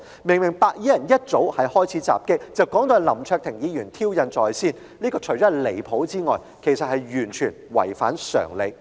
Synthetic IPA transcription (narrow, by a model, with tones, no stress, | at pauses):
mɪ˨˩ŋmɪ˨˩ŋpaː˧k̚jiː˨˥jɐ˨˩njɐ˥t̚t͡so˨˥whɐ˨jhɔː˥jt͡sʰiː˨˥t͡sa̰ː˨p̚kɪ˥k̚t͡sɐ˨wkɔː˨˥ŋt̪ɔː˨˧jlɐ˨˩mt͡ʃʰœː˧k̚t̪ʰɪ˨˩ŋjiː˨˧jyː˨˩nt̪ʰiː˥wjɐ˨˧nt͡sɔː˨jsiː˥˩n | liː˥kɔː˧t͡ʃʰɵ˨˩t͡sɔ˨˥ɐ˨jle˨˩jpʰo˨˥wt͡siː˥ŋɔː˨j | kʰe˨˩sɐ˨t̚hɐ˨jɥyː˨˩nt͡ʃʰyː˨˩nwɐ̰˨˩jfa̰ː˨˥nsœ̰ː˨˩ŋle˨˧j